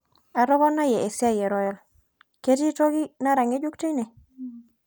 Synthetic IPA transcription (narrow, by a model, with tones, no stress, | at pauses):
a˨ɾɔ˦bɔ˦na˦jɛ˨ʔe˨sɪ˦a˦jɛ˨ɾɔ˨jɔ˨l | ke˦ti˦to˦ɡi˦na˦ɾa˨ŋe˦d͡ʒu˦kte˦nɛ˨